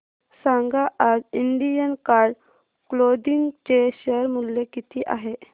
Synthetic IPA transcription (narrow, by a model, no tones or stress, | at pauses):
sãŋɡaʔad͡ziɳɖijənkaɾɖ | klod̪iŋɡt͡ɕeɕəɾmuljekit̪ʰiʔa̰ɦe